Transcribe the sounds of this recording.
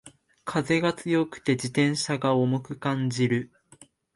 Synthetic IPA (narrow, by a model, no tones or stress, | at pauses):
kʰaze̞ɡat͡sɨjo̞kɯ̟̥t̪e̞d͡ʑit̪ẽ̞ɰ̃ɕaɡaomokɯ̟kãɲd͡ʑiɾɯ̟